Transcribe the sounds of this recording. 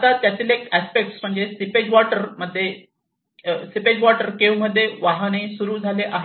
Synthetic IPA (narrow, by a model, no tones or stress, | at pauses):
at̪at̪jat̪iːlekæspek̚ʈsm̤əɳd͡zesiped͡ʑʋɔʈəɾməd̪ʱːje | siped͡ʑʋɔʈəɾkeʋm̤əd̪ʱːjeʋaɦañesuɾuːd͡zʱaleʔaɦe